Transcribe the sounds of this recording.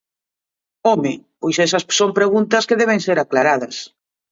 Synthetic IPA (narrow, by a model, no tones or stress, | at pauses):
ɔmɪpojsɛsɐssompɾeɣunt̪ɐskeðɛβ̞eŋseɾaklaɾaðɐs